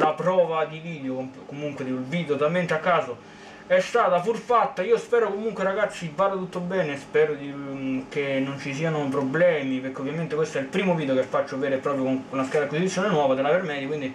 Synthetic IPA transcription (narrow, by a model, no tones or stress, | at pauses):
lapɾɔːvad̪iviːd̪eookomuŋkwed̪ilviːd̪eot̪alment̪eakːaːso | ɛst̪aːt̪apurfat̪ːaiːospɛːɾokomuŋkweraɡat̪sːivaːd̪at̪ut̪ːobɛːnespɛːɾod̪ikenːont͡ʃis̬iːanop̬ɾoblɛːmipeɾkːeovːjament̪ekwest̪oɛilpɾiːmoviːd̪jokefːat͡ʃːoveːɾepːɾɔːpɾjonunaskaɾakːwisit̪sjoːnenwɔːvad̪elavermɛːd̪jakwind̪i